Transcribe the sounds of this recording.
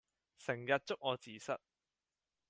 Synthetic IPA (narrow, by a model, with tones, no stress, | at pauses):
sɪ˨˩ŋjɐ˨t̚t͡sʊ˥k̚ŋɔː˨˧t͡siː˨˧sɐ˥t̚